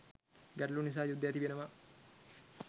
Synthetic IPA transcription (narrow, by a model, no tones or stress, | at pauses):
ɡæɾəlunis̬aːjud̪ːəjat̪iʋenəʋa